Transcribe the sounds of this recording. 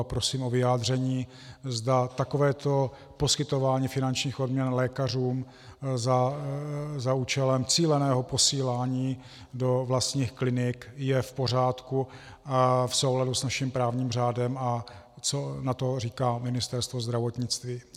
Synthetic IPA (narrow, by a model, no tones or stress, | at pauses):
pɾo̞siːmʔo̞vɪaːd̪r̝ɛɲiː | zdat̪akovɛːt̪o̞ | po̞skɪt̪o̞vaːɲiːfɪnant͡ʃɲiːxo̞dmɲɛnlɛːkar̝uːm | za | zauːt͡ʃɛlɛmt͡siːlɛnɛːɦopo̞siːlaːɲiː | do̞vlast̪ɲiːxklɪnɪkjɛfpo̞r̝aːt̪ku | afso̞wɦladusnaʃɪmpɾaːvɲiːmr̝aːdɛma | t͡sonat̪o̞riːkaːmɪnɪst̪ɛɾst̪vozd̪ɾavot̪ɲɪt͡st̪viː